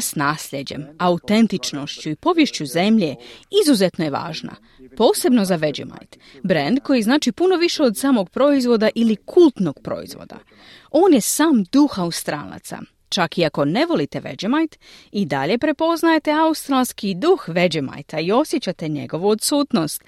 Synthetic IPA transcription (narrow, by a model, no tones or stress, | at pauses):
snaːslʎed͡ʑe̞̰maut̪e̞nt̪it͡ʃno̞ʃt͡ɕuipo̞ʋjeʃt͡ɕuze̞mʎe̞izuzet̪noje̞ʋa̰ːʒna̰ | po̞ːse̞bno̞zaʋe̞d͡ʑḛma̰jt̪ | bɾend̪ko̞jiznaːt͡ʃipuno̞ʋiʃe̞od̪saːmo̞ɡ̚pɾo̞izʋo̞d̪aʔilikʰulˠt̪no̞ɡ̥̚pɾo̞̰ḭzʋo̰d̪a̰ | o̞ːnje̞saːmd̪uxaust̪ɾa̰ːla̰t̪sa̰ | t͡ʃakiako̞ne̞ʋo̞lit̪e̞ʋe̞̰d͡ʑemajt̪ | id̪a̰ʎe̞pɾe̞po̞znajet̪e̞aust̪ɾalˠskid̪uxʋe̞d͡ʑema̰jt̪ʰaio̞sjet͡ɕat̪e̞ɲe̞̰ɡo̞ʋuot̪suːt̪no̞st̪